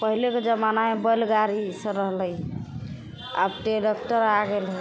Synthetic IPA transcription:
pəɦileked͡ʒəmanamebəlɡaɾisə̃ɾəɦlə | a̰bʈeɖəkʈəɾaɡelɦ

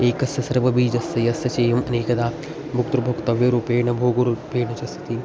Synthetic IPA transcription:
eːkɐsɐsɐɾʋɐbiːd͡ʒɐsɐjɐsɐt͡ʃeːjɐmɐneːkɐd̪aː | bʱuk̚t̪ɾɐbʱɐkt̪ɐʋjɐɾuːpeːɳɐbʱoːɡɐɾupeːɳɐt͡ʃɐst̪ʰɐ̥t̪i

